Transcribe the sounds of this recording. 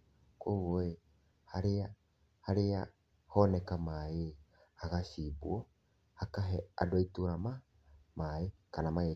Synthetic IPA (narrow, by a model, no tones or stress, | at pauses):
kowoe | haɾea | haɾea | honɛkamae | haɣasibuo | hakaɦea̰doituɾama | maekanamaje